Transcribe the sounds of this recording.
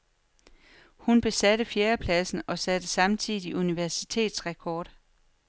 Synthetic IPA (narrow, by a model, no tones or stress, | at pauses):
hunb̥e̝sæɾəfjeːɐpʰlæsn̩ɒ̽sæd̥əsɑ̈mt͡sʰiðˠiʔuniʋæɐsit͡sʰe̝̰ːd̥sʁɛkʰɒːd̥